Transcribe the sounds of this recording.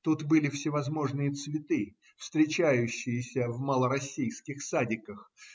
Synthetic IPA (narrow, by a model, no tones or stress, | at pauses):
t̪ut̪bɨlʲɪfsʲɪvɐzmo̞ʐnɨjət̪svʲɪt̪ɨ | fst̪ɾʲɪt͡ɕæjʉɕːɪjɪsʲəvməlˠəɾɐsʲːijskʲɪxsadʲɪkəx